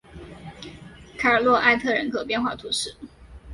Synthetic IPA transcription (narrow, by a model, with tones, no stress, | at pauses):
kʰa˨˩ə˨˩lwɔ˥˧ʔa˥˧ɪt̪ʰɤ˥˩ɻə̰˧˥nkʰɤ˨˩pjɛ˥˧nxwa̰˥˩t̪ʰu˧˥ʂɻ̩˥˩